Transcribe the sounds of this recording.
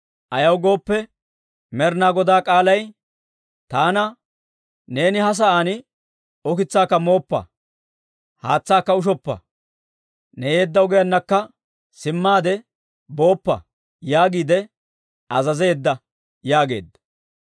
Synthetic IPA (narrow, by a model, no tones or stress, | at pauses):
ʔɐjɐwɡo̞ːpːɛ | mɛɾnaːɡɔd̪aːkʼaːlɐj | t̪aːnɐ | ne̞ːnɪhɐs̬ɐʔaːnɪ | ɔkɪt͡sːaːkːɐmo̞ːpːɐ̰ | haːt͡sːaːkːɐʊʃ̬ɔpːɐ̰ | nɛjeːd̪ːɐʊɡɛjɐnːɐkːɐ | sɪmːaːd̪ɛ | bo̞ːpːɐ̰ | jaːɡiːd̪ɛ | ɐzɐze̞ːd̪ːɐ | jaːɡe̞̰ːd̪ːɐ̥